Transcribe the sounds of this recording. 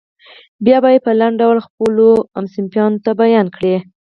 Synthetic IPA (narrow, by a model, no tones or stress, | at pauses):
bjɑbɑjepəlaɳɖawlxpəloamsɪmpjɑnot̪abajɑnkɽe